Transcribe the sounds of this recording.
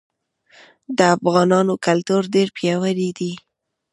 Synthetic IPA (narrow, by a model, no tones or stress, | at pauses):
d̪əafɣɑnɑnokalt̪uɾɖeɾpjɑwaɾid̪i